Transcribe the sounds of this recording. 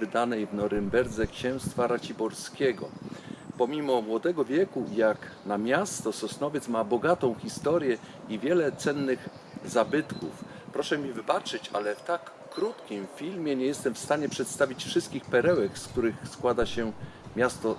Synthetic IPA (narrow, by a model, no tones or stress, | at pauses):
ɘd̪anɛjvnɔɾɘmbɛɾd̪zɛkɕɛ̃w̃st̪faɾat͡ɕibɔɾskʲɛɡɔ̰pɔmʲimɔmwɔd̪ɛɡɔvʲjɛkujaknamʲjast̪ɔsɔsnɔvʲjɛt̪smabɔɡat̪ɔ̃w̃xʲist̪ɔɾʲjɛ | ivʲjɛlɛt̪sɛnːɘɣ | zabɘt̪kṵf | pɾɔʂɛmʲivɘbat͡ʂɘt͡ɕa̰lɛft̪akː | ɾut̪kʲimfʲilmʲjɛɲɛjɛst̪ɛmfst̪aɲɛpʂɛt̪st̪avʲit͡ɕfʂɘst̪̚kʲixpɛɾɛwɛkskt̪uɾɘxskwad̪aɕɛ | mʲjast̪ɔ